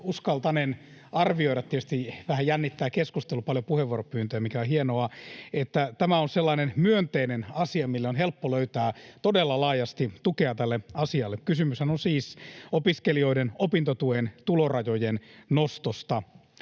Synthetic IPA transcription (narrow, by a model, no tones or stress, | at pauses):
uskɑlt̪ɑnenɑrʋioiɾɑt̪ːietyst̪iʋæhæjjænːit̪ːæːkeskust̪elupɑljopuheʋːuoropyːnt̪øjæmikæohienoɑet̪ːæt̪æmæonselːɑːnenmyønt̪einenɑsiɑmilːeonɦelpːoløyt̪æːt̪odelːɑlɑːjɑst̪it̪ukeɑt̪ælːeɑsiɑlːekkysymyshænosiːsopiskelioidenopint̪ot̪uent̪ulorɑjojennost̪ost̪ɑ